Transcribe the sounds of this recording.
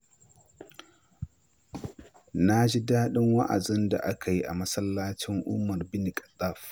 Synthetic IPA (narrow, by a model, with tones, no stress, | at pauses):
na˦d͡ʒi˦daː˦ɗɪ˦ŋwa̰˦ʔa̰˨dɪ˦nda̰˨ʔa˦kʰa˨ji˦ʔa̰˨mɐ˦sɐ˦lːaː˦t͡ʃɪ˦ŋʔʊ̰˦mɐ˨rbɪ˦ni˨kʼɐ̥˨tʼːa˦˨f